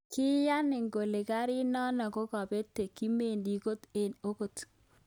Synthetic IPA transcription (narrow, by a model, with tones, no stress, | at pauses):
kɪ˦ja˦nɪ˨ŋɡo˨le˨ɡa˦ɾɪ˦nɔ˦nɔ˨ko˦kɔ˨be˦te˨ki˦me˨ndi˨ko˦t̪e˨no˦ko˨t̪